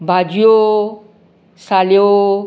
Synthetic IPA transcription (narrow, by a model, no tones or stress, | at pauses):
bʱaːd͡ʒijo | saːljo